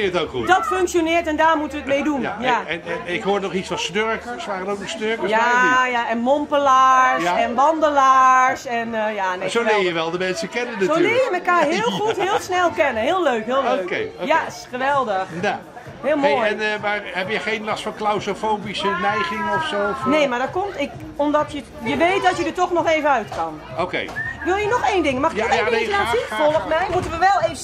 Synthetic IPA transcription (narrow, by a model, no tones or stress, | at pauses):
ɪətowkχudɔtføŋksjonɪːtɛndaːrmutəʋətmejdunjaɛnɪkɦoːɹnɔχit͡ssfɔnsnørɹkəɹsʋaːrənowk̚nɔsnøɹkəajaɛnmɔmpəlaːsɛnʋɑndəlaːsɛnjanesoɪːɹjəʋɛlˠdəmɛnsəkɛnənːatsolɪːəjəmɛkaːɦɪːlˠxuthɪːlˠsnɛlˠkɛnəɦɪːlˠløɥkɦɪːlˠoøkeja | χəʋɛlˠdəxja | hɪːlˠmoːjɛnmarhɛbjəχeːnlasfɔklawsofoːbisənɛjχɪŋɔfsoːneːmaɹdɔt̚kɔmtɪk | ɔmdɔtʰjə | jəʋejt̚dɔtjədətɔxnɔxeːvənœɥtkɑn | okḛːʋɪlˠjənɔxeːndɪŋəmaxɪkɔeəatifolˠɔpmɛjmutəʋəʋɛlˠevə